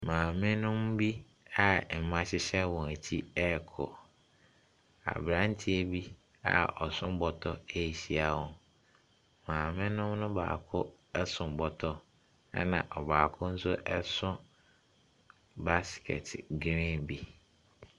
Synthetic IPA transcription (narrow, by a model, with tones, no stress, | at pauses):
mãː˨mɪ̃˦nʊ̃˦mbi˦ | a˨m̩˨mã˦ɕɪ˦ɕɛ˦wɔ̃˨æ˨tʰi˦ɛ˦˨kʰɔ̰˨ | a̰˨bɾã˦n̩˦tʰi˦e˦bi˦ | a̰˨ɔ˨sʊ̃˦m˦bɔ˨tʰɔ˦e˦i˨ɕi˦a˨wɔ̃˨n | mãː˨mɪ̃˦nʊ̃˦mnʊ̃˦ba̰ː˨kʰʊ˦ | ɛ˦sʊ̃˨m˨bɔ˨tʰɔ˦ | ɛ̰˦nã˨ʔɔ˨baː˨kʰʊ˦n̩˦sʊ˦ʔɛ˦sʊ̃˦ | ba˦skʰɛ̰˨tʰɪ˨ɡɾɪ̃˦nbi˦